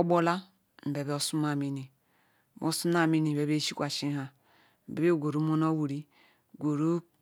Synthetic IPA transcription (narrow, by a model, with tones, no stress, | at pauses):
o˦bo˦la˦ | m̩˨be˨be˦o˦su˦ma˨mi˦ni˨ | mo˦su˦na˨mi˦ni˨e˨be˦ʃi˦kʷa˨ʃi˦ɦa˦ | m̩˨be˨be˦˨ɡʷo˨ɾu˦mo˦no˦wu˨ɾi˦ | ɡʷo˨ɾu˦